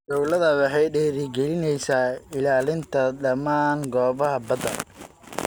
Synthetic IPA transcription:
d̪ɔwlɐðɐwɑħɑjɖɛːɾɪɡɛlɪnɛjsaːɪlaːlɪnt̪ʰɐɗɐmaːŋɡɔːβɐɦɐbɐd̪ɐn

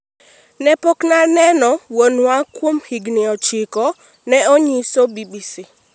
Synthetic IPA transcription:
nɛpoknanɛnɔwonwakwomhiɡnɪɔt͡ʃɪkɔ | nɛoɲisobibisi

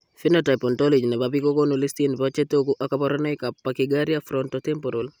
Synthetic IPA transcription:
finotapɔntɔlid͡ʒnɛbabikokonulistinbat͡ʃetokuʔakapɔɾɔnɛkapːakɪɡaɾjafɾɔntɔtɛmpoɾol

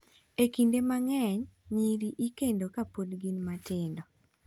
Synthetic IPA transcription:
ekindemaŋɛɲɲiɾiʔikendokapodɡinmatɪndɔ

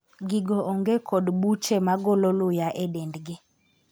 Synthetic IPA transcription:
ɡiɡoʔoŋɡekʰɔdbut͡ʃemaɡololʊjaʔedɛndɡɪ

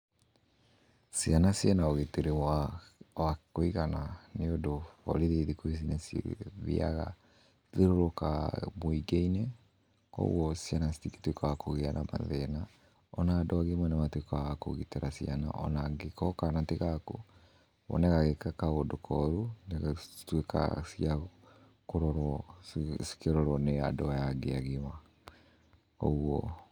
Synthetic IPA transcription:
sianasjɛnaoɣeteɾe | wakoiɣananeodoɔ̰ɾeðeðikois̬inɛsḭβḭa̰ɣa | ðeɾoɾoka̰moiɡeinɛ | kɔ̰wɔsjanastike̥twekɔjakoɣeanama̰ðɛna | ɔnadɔwaɣemwɛnamatwekɔaakoɣitɛɾasiana̰ʔɔ̰naɡekɔkanateɣako̰ | βɔ̰nɛɣaɣekakaodokʰɔɾuneɣtweka̰sia | koɾɔɾwɔsi̥keɾɔɾwɔneadɔwajaɡeaɣewa | ɔ̰uwɔ

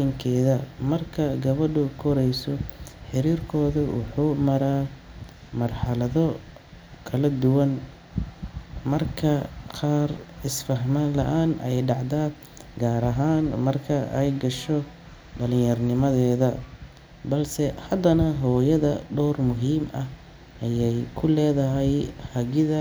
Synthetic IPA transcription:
ɪŋkʰɛːðɐmɐrkʰɐɡɐβɐɖʊkʰɔɾɛjsɔħɪɾiːrkʰɔːðʊwʊ̰ħuːmɐɾaː | mɐrħɑlɐðɔ | kʰɐlɐd̪ʊwɐn | mɐrkʰɐqɑːrɪsfɐɦmɐnlɐ̰ʔaːnɛjɖɑʕd̪aː | ɡaːɾɐɦaːnmɐrkʰɐʔɛjɡɐʃɔ | ɖɐlɪ̃jɐrnɪmɐðɛːðɐ | bɐlsɛhɐd̪ɐnɐɦɔːjɐðɐɖɔːrmʊɦiːmʔɐ | ʔɐjɛjkʰʊlɛːðɐɦɛjhɐɣɪðɐ

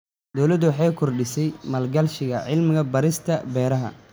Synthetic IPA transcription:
d̪ɔwlɐd̪ʊwɑħɑjkʰɔrɖɪsɛjmɐlɡɐlʃɪɣɐʕɪlmɪɣɐbɐɾɪst̪ʰɐbɛːɾɐɦɐ̰

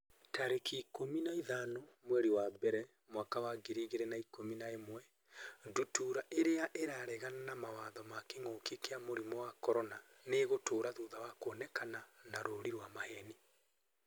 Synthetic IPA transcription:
taɾekikominaiðanomwɛɾiwabɛɾɛ | mwakawaɡeɾiɣeɾɛnaikominaemwɛ | dutuɾaʔeɾeaʔeɾaɾɛɣananamawaːðɔmakeŋoːkekeamoɾimɔwakɔɾɔnaneɣotoːɾaðuðawakoɔnɛkananaɾoɾiɾwamahɛni

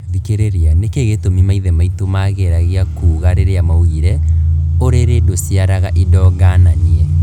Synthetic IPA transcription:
ðikeɾeɾeanekeɣetomimaiðɛmaitomaɣeɾaɣeakuːɣaɾeɾeamauɣiɾɛoɾeɾedosiaɾaɣaʔidɔːɡananiɛ

